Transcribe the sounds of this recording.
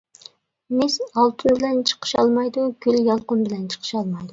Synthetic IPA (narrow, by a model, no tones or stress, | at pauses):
mɪsɑlˠt̪ʰunbɪlɛnt͡ʃʰə̥qʰə̥ʃɑlˠmɑjd̪ʊɡ̥ʲyljɑlˠqʊnbɪlɛnt͡ʃʰə̥qʰə̥ʃɑlˠmɑjd̪ʊ